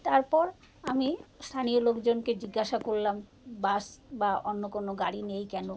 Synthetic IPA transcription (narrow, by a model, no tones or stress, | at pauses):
t̪aɾpɔɾ | amist̪ʰanijolokd͡ʑonked͡ʑiɡːaʃakoɾlam | basbaonːokonoɡaɽinejkɛno